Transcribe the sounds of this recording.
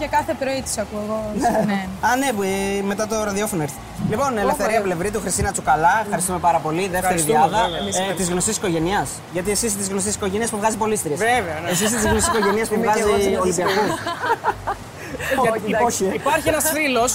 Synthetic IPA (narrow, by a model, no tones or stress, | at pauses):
cɐkɐθepɾoit̪i̥sɐkueɣoneneɐnepme̞t̪ɐt̪o̞ɾɐðiofo̞noeɾθi̥t̪elipo̞nelefθe̞ɾiɐple̞vɾit̪uxɾist̪inɐt͡sukɐlɐfxɐɾist̪ume̞pɐɾɐpo̞liðeft̪eɾiðiɐðɐt̪izɣno̞st̪isi̥ko̞ʝe̞niɐs | ʝɐt̪ie̞sist̪izɣnost̪isiko̞ʝeniɐspuvɣɐzipo̞list̪iɾiɐseveɐes̬ist̪izɣnosisiko̞ʝe̞niɐspuvɣɐziolibiɐkɐ | oipɐɾçienɐsfilos